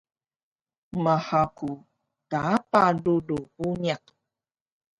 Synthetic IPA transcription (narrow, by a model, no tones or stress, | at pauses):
mahaku | taapaluluuniaq